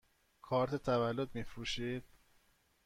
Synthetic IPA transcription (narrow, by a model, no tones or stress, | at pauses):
kʰɒːɾt̪ʰet̪ʰævælːod̪̚miːfɾuːʃiːd̪̥̚